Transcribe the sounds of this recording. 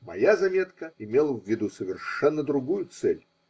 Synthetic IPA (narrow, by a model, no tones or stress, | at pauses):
mɐ̰jazɐmʲe̞t̪kəɪmʲelˠəvʲːɪd̪usəvʲɪrʂɛnːəd̪ɾʊɡujʊt̪sɛlʲ